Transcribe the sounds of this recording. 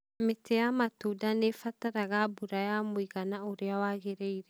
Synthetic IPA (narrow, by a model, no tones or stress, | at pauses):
metejamatuːdanefataɾaɣabuɾajamwiɣanaoɾeawaɣeɾeiɾɛ